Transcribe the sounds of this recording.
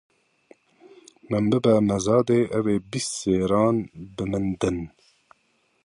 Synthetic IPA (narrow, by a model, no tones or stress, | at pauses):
mɨmbɨbɛmɛzɑːd̪eːʔɛveːbisseːɾɑːnbɨmɨnd̪ɨn